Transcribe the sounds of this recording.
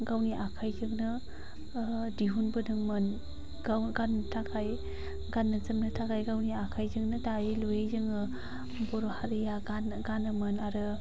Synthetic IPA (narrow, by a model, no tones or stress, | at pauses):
ɡawniʔakʰajzɯŋnɯ | diɦunbɯnɯŋmɯn | aɡanːɯtʰakʰaj | ɡanːɯzɯmnɯtʰakʰajɡawniakʰajzɯŋnɯdailojezɯŋɯ | bɔɾohaɾɯjaɡan | ɡanɯmɯnaɾɯ